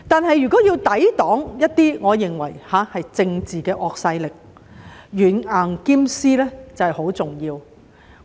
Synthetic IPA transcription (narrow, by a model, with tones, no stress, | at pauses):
t̪aː˨nɦɐ˨jːyː˨˩kɔː˨˥jiː˧wt̪ɐ˨˥jt̪ɔː˨˥ŋjɐ˥t̚t̪iː˥ŋɔː˨˧jɪ˨ŋwɐ̰˨˩jhaː˨˥hɐ˨jt͡sɪ˧ŋt͡siː˨kɛː˧ʔɔː˧k̚sɐ˧jlɪ˨k̚ | jyː˨˩naː˨˩ŋkiː˥msiː˥lɛː˥t͡sɐ˨hɐ˨jho˨˥wt͡sʊ˨ŋjiː˧w